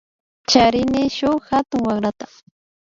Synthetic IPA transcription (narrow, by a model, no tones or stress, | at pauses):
t͡ʃaɾɪnɪʃʊhat̪ʊŋwaχɾat̪ḁ